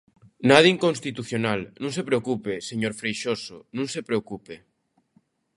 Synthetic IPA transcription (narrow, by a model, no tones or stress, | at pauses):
naðiiŋkonst̪it̪uθjonalnũŋsepɾeokupeseɲoɾfɾejʃosonũŋsepɾeokupe